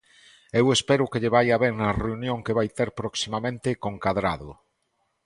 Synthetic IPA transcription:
ewespɛɾʊkeʎeβajaβeŋnɐreunjõŋkeβajt̪eɾpɾoksimamẽnt̪ekoŋkaðɾaðʊ̰

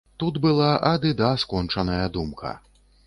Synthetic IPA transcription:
t̪ud̪bɨlˠaʔɐd̪ɨd̪askɔnt͡ʂɐnɐjɐd̪umkʰɐ̰

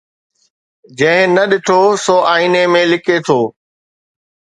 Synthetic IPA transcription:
d͡ʑɐ̃ɦɪ̃nɐɗɪʈʰosoːaːinemẽlɪkʰet̪ʰoː

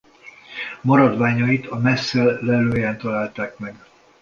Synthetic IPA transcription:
mɒɾɒd̪ʋaːɲɒit̪ʰɒmɛsːɛlːɛløːjɛnt̪ɒlaːlt̪aːkmɛɡ

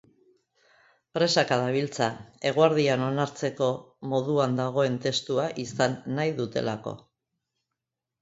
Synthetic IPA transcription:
pɾe̞sakaðaβilt͡sae̞ɣ̞uaɾðiano̞naɾt͡se̞ko̞ | mo̞ðuand̪aɣ̞o̞e̞nt̪e̞st̪uaʔisanːajðut̪e̞lako̞̰

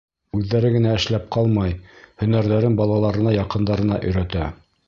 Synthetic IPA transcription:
ʉðːæɾɘɡɘ̆næɘ̆ʃlæp̚qʰɑlˠmɑjhɵ̆næɾðæɾɘnbɑlˠɑlˠɑɾɤ̆nɑjɑqɤ̆nd̪ɑɾɤ̆nɑʔɵ̆jɾæt̪æ

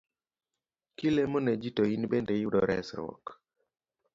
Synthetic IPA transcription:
kilemɔned͡ʒitoinbendejudɔɾɛ̰sɾɔ̰k

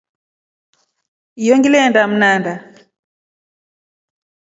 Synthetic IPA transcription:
ijɔŋɡilɛndam̩nanda

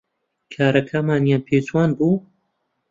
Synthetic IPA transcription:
kʰaːɾɐkʰamaːnjaːnpʰeːt͡ʃwaːnbuː

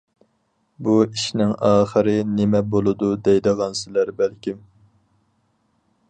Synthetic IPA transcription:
buiʃnɪŋɑːχəɾɨnɪmɛbolˠɨd̪ud̪ɛjd̪ɨʁɑnsɪlæɾbælkʲim

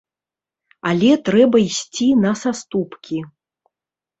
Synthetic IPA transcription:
alʲɛt̪ɾɛbɐisʲt͡sʲinɐsast̪upkʲʰi

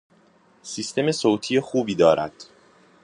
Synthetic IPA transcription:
sist̪e̞me̞soːt̪ʰijexuːbiːd̪ɒːɾæ̰d̪̥

